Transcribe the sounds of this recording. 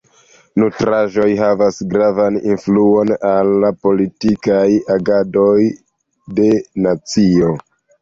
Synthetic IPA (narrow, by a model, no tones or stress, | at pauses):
nutɾaʒo̞jɦavasɡɾavanḭnfluo̞nalːapo̞litikajaɡado̞j | de̞nat͡sio̞